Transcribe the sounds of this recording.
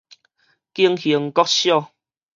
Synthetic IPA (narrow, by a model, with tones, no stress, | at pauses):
ki˦˧əŋhi˨˦əŋkɔ˦k̚ɕjɔ˥˧˨